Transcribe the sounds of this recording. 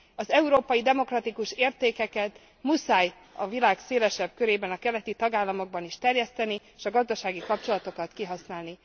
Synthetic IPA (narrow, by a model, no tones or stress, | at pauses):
ɒzɛuɾoːpɒjid̪ɛmo̞krɒt̪ikuʃeːrt̪eːkɛkɛt̪ | musaːj | ɒvilaːkseːlɛʃɛb̚køɾeːbɛnɒkɛlɛt̪it̪ɒɡaːlːɒmo̞ɡ̚bɒniʃt̪ɛrjɛst̪ɛnieʃɒɡɒzd̪ɒʃaːɡikɒp̚t͡ʃo̞lɒt̪o̞kɒt̪kiɦɒsnaːlni